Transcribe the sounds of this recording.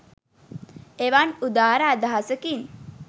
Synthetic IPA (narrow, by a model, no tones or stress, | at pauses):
eʋanud̪aːɾaːd̪aɦasəkin